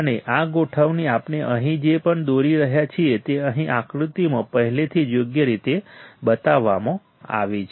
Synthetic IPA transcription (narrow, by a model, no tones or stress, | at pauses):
əneʔaɡoʈʰəʋniapneʔəɦĩd͡ʒepəɳd̪oɾiɾəɦjat͡ʃʰiet̪eəɦĩʔakɾut̪imãpəɦɛlet̪ʰid͡ʒjoɡjəɾit̪ebət̪aʋːamõ | a̰ʋit͡ʃʰ